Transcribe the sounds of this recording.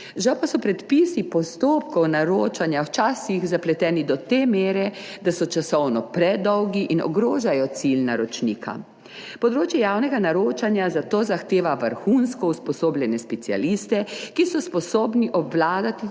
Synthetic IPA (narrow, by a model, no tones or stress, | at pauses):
ʒawpasɔpɾɛt̪pisipɔst̪oːp̚kɔwnaɾoːt͡ʃanjawt͡ʃaːsixzaplɛt̪ɛːnid̪ɔt̪eːmeːɾɛd̪asɔt͡ʃasɔwnɔpɾɛd̪ɔwɡiʔinɔ̰ɡɾoːʒajɔt̪silnaɾɔt͡ʃniːkʰa̰ | pɔd̪ɾoːt͡ʃjɛjaːwnɛɡanaɾoːt͡ʃanjazat̪oːzaxt̪eːʋaʋəɾxunskɔuspɔsoːblʲjʲɛnɛspɛt̪sia̰list̪ɛkisɔspɔsoːbniʔɔbwlaːd̪at̪i